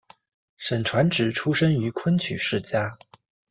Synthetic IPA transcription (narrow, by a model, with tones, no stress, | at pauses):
ʂə˨˩nʈ͡ʂʰwa˧˥nʈ͡ʂɻ̩˨˩ʈ͡ʂʰu˥ʂə˥ŋy˧˥kʰwə˥nt͡ɕʰy̰˨˩ʂɻ̩˥˩t͡ɕja˥